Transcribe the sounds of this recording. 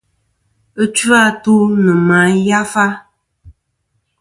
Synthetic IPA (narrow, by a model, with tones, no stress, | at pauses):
e˦t͡ʃu˦a˦to˦nɨ̃˨mã˨˦ja˦fa˦